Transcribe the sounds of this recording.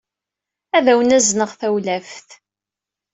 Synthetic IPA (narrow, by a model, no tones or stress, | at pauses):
æðæwənæznəʁθæwlæfθ